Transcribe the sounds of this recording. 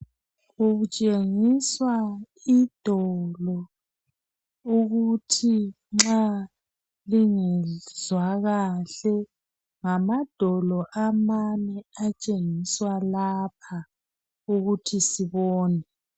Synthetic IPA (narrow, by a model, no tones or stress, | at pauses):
uɣut͡ʃʼeŋiswa | id̥ʱɔlɔ | uɣutʰi | ŋ͡ǁa | liŋɛz̥waɣaɬɛ | ŋamad̥ʱɔlɔʔamanɛat͡ʃʼeŋiswalapʰa | uɣutʰisiβɔːnɛ